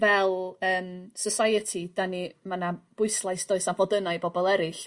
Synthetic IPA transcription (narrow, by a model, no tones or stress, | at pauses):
vɛlˠəːmsəsajətʰidanimanab̥ʊɨslˠajsd̥oːɨsanvɔdənaɨbɔbɔlˠɛɾɪɬ